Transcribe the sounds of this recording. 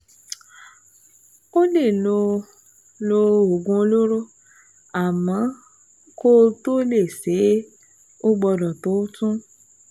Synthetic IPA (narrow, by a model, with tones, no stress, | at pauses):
o˦le˦˨lo˧ | lo˧o˨ɡũ˧o˧lo˦ɾo˦ | a˨mã˨˦ | ko˦to˦le˦˨se˨˦ | o˦ɡ͡bɔ˧dɔ˨to˨˦tũ˦